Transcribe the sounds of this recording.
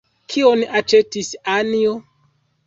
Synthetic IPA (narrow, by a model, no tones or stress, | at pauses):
kʰionat͡ʃetisanio